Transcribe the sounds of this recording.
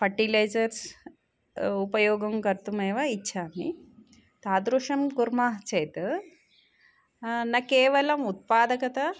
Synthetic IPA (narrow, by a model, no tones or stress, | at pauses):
pɐʈilejd͡ʒɐɾs | upɐjoːɡɐmkɐɾt̪umeːʋɐitːʃʰaːmḭ | t̪aːd̪ɾuʂɐmkuɾmaːɦt͡ʃɐjt̪ɨ | nɐkeːʋɐlɐmut̪̚paːd̪ɐkɐt̪ɐ